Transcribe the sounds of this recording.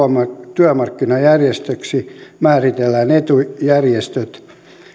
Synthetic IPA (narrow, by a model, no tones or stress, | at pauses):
mɑt̪yæmɑrkːinɑjærjest̪øksimæːrit̪elːænet̪ujærjest̪øt̪